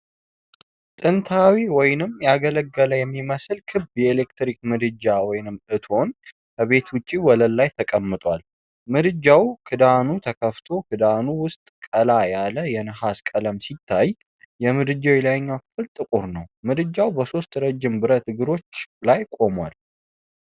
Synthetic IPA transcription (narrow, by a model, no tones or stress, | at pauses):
t̪ʼɨnt̪ʰawiwɔjnɨmjaɡələɡːələjɛmːiməsɨlkʰɨbjɛelekt̪ɾik̚mɨd̪ɨd͡ʒawɔjnɨmɨt̪ʰo̞n | bʰəβe̞t̪wʊt͡ʃʼːiwɔləlːajt̪ʰəkʼəmːɨt̪ʼwal | mɨd̪ɨd͡ʒːawkʰɨd̪anut̪ʰəkʰəft̪ʰo̞kʰɨd̪anuwʊst̪ʼkʼəlajaləjɛnɨhaskʼələmsit̪ʰːaj | jɛmɨd̪ɨd͡ʒawilajɲːafɨlt̪ʼɨkʼuɾnəwmɨd̪ɨd͡ʒːawbəso̞st̪ɾəd͡ʒːɪmbɨɾət̪ɨɡɨɾo̞t͡ʃːlajkʼo̞mwa̰l